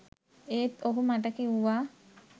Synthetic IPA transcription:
eːt̪oɦumaʈəkeuʋaː

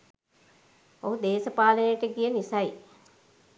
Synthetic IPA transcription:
oɦud̪eːsəpaːlənəjəʈəɡijənisaj

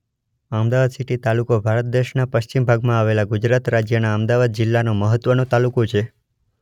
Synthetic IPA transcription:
əmd̪aʋad̪siʈit̪alukobʱaɾət̪̚d̪eʃnapəʃt͡ʃimbʱaɡmãaʋelaɡud͡ʒɾat̪ɾad͡ʒjənaəmd̪aʋad̪̚d͡ʒɪlːanoməɦət̪ʋənõt̪alukot͡ʃʰe

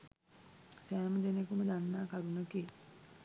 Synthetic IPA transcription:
sæːməd̪enekuməd̪anːaːkaɾunəke

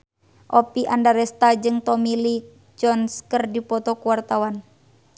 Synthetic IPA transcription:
ʔɔpiʔandaɾɛst̪ad͡ʒɨŋt̪ɔmili | d͡ʒɔnskərdipɔt̪ɔkuwart̪awan

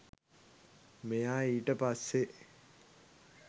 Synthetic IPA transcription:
mejaːiːʈəpasːe

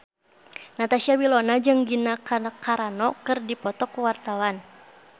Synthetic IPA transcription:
nat̪asiawilɔnad͡ʒɨŋɡinakakaɾanɔkɨrdipɔt̪ɔkəwart̪awan

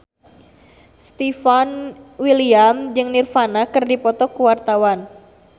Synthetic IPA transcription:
st̪ifanwiliamd͡ʒɨŋnirfanakɨrdipɔt̪ɔkuwart̪awan

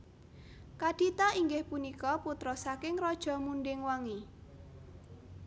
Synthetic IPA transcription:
kad̥it̪aiŋɡɪhpunikɔput̪ɾɔsakɪŋɾɔd̥ʒ̥ɔ̤munɖɪŋwaŋi

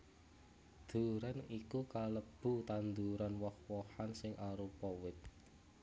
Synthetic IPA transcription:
d̪̥ṳɾanikukaləb̥ṳt̪and̪uɾanwɔhwɔhansɪŋʔaɾupɔwɪt̪̚

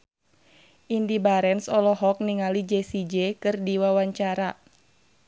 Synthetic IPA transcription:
ʔindibaɾɛnsɔlɔɦɔk̚niŋalid͡ʒesid͡ʒɛkɨrdiwawaɲt͡ʃaɾa

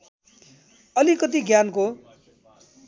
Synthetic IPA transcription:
ʌlikʌt̪̬iɡjanko

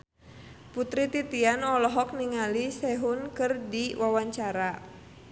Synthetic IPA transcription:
put̪ɾit̪it̪ianɔlɔɦɔk̚niŋalisɛɦunkɨrdiwawaɲt͡ʃaɾa

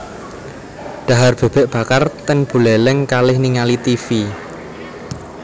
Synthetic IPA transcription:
ɖ̥a̤ɦarb̥e̤b̥ɛ̤ʔb̥a̤kart̪ɛnb̥ṳlɛlɪŋkalɪhniŋalit̪ifi

